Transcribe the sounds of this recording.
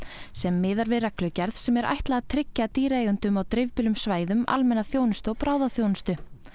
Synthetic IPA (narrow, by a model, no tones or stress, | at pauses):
sɛmːɪːðaɾvɪrɛklʏcɛɾðsɛmɛɾʔa̰jht̪laɣat̪ʰɾɪcːat̪iːɾaejɣʏnt̪ʏmawt̪ɾɪvpɪlʏmsvaːjðʏma̰lmɛnːaθjoːwnʏst̪ʏɔɣpɾaːwðaθjownʏst̪ʏ